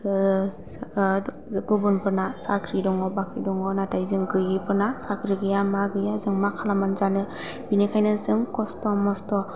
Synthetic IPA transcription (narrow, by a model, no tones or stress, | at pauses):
ɡubunpʰɯɾnasakʰɾidɔŋɔbakʰɾidɔŋɔnatajzɯŋɡɯjipʰɯɾnasakʰɾiɡɯjamaɡɯjazɯŋmakʰalamanzanɯ | binikʰajnɯzɯŋkɔstɔmɔstɔ